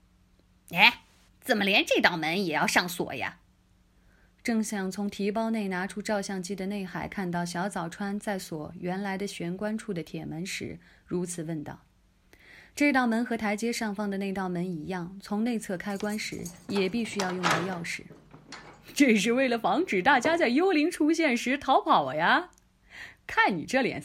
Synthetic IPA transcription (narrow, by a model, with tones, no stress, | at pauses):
e˧˥ɪ | t͡sə˨˩nmə˦ljɛ˧˥nʈ͡ʂɤ˥˧ɪt̪ɑ˥˩ʊmə˧˥njɛ˨˩jɑ˥˧ʊʂɑ˥˩ŋswɔ̰˨˩jɐ̰˦ | ʈ͡ʂɤ˥˩ŋɕjɑ˥˩ŋt͡sʰʊ˧˥ŋt̪ʰi˧˥pɑ˥ʊne˥˩ɪna˧˥ʈ͡ʂʰu˥ʈ͡ʂɑ˥˧ʊɕjɑ˥˩ŋt͡ɕi˥d̪ə˨ne˥˩ɪxa˨˩ɪkʰa˥˧nt̪̬ɑ˥˩ʊɕ̬jɑ˧˥ʊt͡sɑ˨˩ʊʈ͡ʂʰwa˥nt͡sa˥˩ɪswɔ˨˩ɥɛ˧˥nla˧˥ɪd̪ə˧ɕɥɛ˧˥nkwa˥nʈ͡ʂʰu˥˩d̪ə˩t̪ʰjɛ˨˩mə˧˥nʂɻ̩̰˧˥ɻu˧˥t͡sʰɹ̩˨˩wə˥˧nt̪ɑ̰˥˩ʊ | ʈ͡ʂɤ˥˧ɪt̪ɑ˥˩ʊmə˧˥nxɤ˧˥t̪ʰa˧˥ɪt͡ɕjɛ˥ʂɑ˥˧ŋfɑ˥˩ŋd̪ə˩˨ne˥˧ɪt̪ɑ˥˩ʊmə˧˥ni˧˥jɑ˥˩ŋt͡sʰʊ˧˥ŋne˥˧ɪt͡sʰɤ˥˩kʰa˥ɪkwa˥nʂɻ̩̰˧˥jɛ˨˩pi˥˩ɕy˥jɑ˥˧ʊjʊ˥˧ŋt̪ə˥˧jɑ˥˧ʊʂɻ̩˥˩ | ʈ͡ʂɤ˥˧ʂ̬ɻ̩˥˧we˥˩ɪlə˩fɑ˧˥ŋʈ͡ʂɻ̩˨˩t̪a˥˩t͡ɕja˥t͡sa˥˩ɪjo˥ʊli˧˥ŋʈ͡ʂʰu˥ɕ̬jɛ˥˩nʂɻ̩˧˥t̪ʰɑ˧˥ʊpʰɑ˨˩ʊ˦ja˧ | kʰa˥˩nnḭ˨˩ʈ͡ʂɤ˥˩ljɛ̰˨˩n